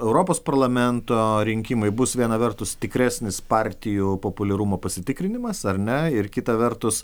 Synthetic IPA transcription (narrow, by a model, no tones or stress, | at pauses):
ɛʊɾoːpoːspɐɾlˠɐmʲɛnt̪oːɾʲɪŋʲkʲɪmɐɪbʊsʋʲiɛnɐʋʲɛrt̪ʊst̪ʲɪkɾʲæːsʲnʲɪspɑːɾʲt̪ʲɪjupoːpʊlʲɛɾumoːpɐsʲɪt̪ʲɪkɾʲɪnʲɪmɐsɐɾʲnʲɛɪɾkʲɪt̪ɐʋʲɛɾt̪ʊs